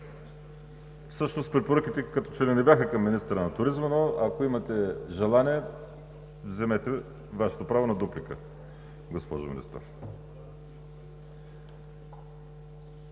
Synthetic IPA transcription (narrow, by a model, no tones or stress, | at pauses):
fsɤʃnospɾɛpoɾɤkit̪ɛkɐt̪ɔt͡ʃɛlinɛbjaxəkɐmːinist̪əɾənɐt̪ʊɾizmɐnoakoimɐt̪ɛʒɛlˠaniɛ | vzɛmɛt̪ɛ | vaʃɛ̥t̪opɾavonɐd̪uplikə̰ | ɡospɔʒʊmḭnḭst̪ə̰ɾ